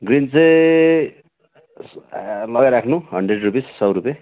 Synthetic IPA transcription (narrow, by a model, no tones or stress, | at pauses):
ɡrint͡sʌj | lʌɡajɾakʰnuɦʌɳɖreɖrupissʌwɾupe